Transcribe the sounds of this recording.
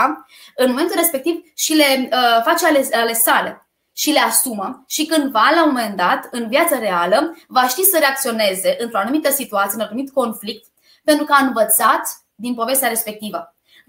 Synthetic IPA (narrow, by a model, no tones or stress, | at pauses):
ɨnmo̞me̞nt̪ulɾre̞spe̞k̚t̪ivʃile̞fat͡ʃealeale̞sale̞̰ | ʃile̞asuməʃikɨnd̪valamome̞nd̪at̪ɨnvjat̪səɾe̞aləvaʃt̪isəɾe̞ak̚t̪sio̞ne̞ze̞ʔɨnt̪ɾo̞anumit̪əsit̪uat̪sienanumit̪ko̞nflik̚t̪ | pe̞nt̪ɾukəaɨnvət̪sat̪ | d̪inpo̞ve̞st̪ʲaɾe̞spe̞k̚t̪ivə